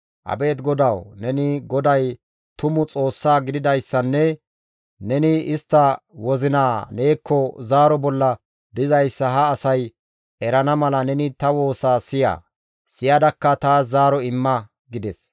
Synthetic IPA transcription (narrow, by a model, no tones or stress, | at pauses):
ʔɐ̰be̞ːt̪̬ɡɔd̪ɐwnɛnɪɡɔd̪ɐj | t̪ʊmʊt͡sʼo̞ːsːaːɡɪd̪ɪd̪ɐjsːɐnːɛ | nɛnɪɪst̪ːɐwɔzɪnaːne̞ːkʰːɔzaːɾɔbɔlːɐ | d̪ɪzɐjsːɐɦɐːsɐj | ɛɾɐnɐmɐlɐnɛnɪt̪ɐwo̞ːsaːsɪja̰ː | sɪjɐd̪ɐkːɐt̪aːzaːɾɔɪmːɐ | ɡɪd̪ɛs